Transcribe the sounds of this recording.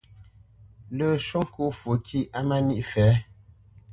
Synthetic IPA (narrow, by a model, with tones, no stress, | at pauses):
lə˨ʃo˦ŋ˦kʰo˦fu˨˦kʰi˦ʔa˦ma˦ni˦ʔfɛː˨˦